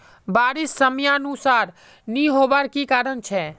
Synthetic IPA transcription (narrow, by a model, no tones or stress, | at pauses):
baɾisːəmjanusaɾ | niɦobaɾkikaɾənt͡ʃʰɛ